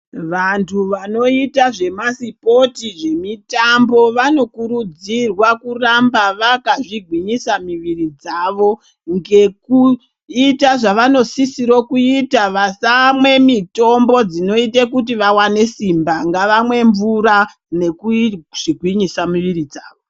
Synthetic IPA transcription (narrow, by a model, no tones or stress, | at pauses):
ʋantʰuʋano̞itaʐe̞masipo̞tiʐe̞mitambo̞ʋano̞kuɾud͡zirwakurambaʋakaʐiɡʱwiɲisamiʋirid͡zaːʋo̞ | ŋɡe̞ku | itaʐaʋano̞sisiɾo̞kuitaʋasamwe̞mito̞mbo̞d͡zino̞itekut̬iʋawane̞simbaŋɡaʋamwe̞ɱvuɾa | ne̞kuʐ̥iɡʱwiɲisamiʋiɾid͡zaːʋo